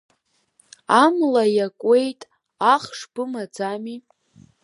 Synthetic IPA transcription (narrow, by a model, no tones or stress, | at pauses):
amlajakʷʼe̞jtʼ | aχʂbɨmad͡zami